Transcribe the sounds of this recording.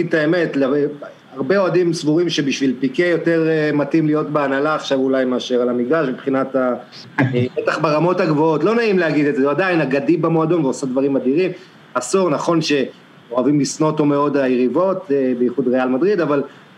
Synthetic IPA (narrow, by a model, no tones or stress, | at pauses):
id̪̚taeme̞tla | aʁbeo̞adimsvuʁimʃebiʃvilpikejo̞te̞ʁmatimlijo̞tbeanalaːχʃavulajmeaʃe̞ʁalamikdaʃmipχinat̪a | bet̪aχbeʁamo̞thaɡvo̞o̞tlo̞naimleaɡid̪edzeuadainaɡadibemo̞ado̞nveosad̪vaʁimad̪iʁim | asuʁnaχo̞nʃe̞ | oavimlisnotomeo̞dajeʁivo̞t̪bejiχud̪ʁealmadʁid̪aval